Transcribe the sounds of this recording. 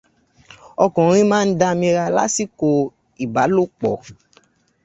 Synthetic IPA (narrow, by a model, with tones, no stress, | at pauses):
ɔ˧kɔ̃˨ɾ̃ĩ˦mãː˦n̩˦da˧mĩ˧ɾa˧la˦si˦ko˧ | i˨ba˨˦lo˦˨k͡pɔ˨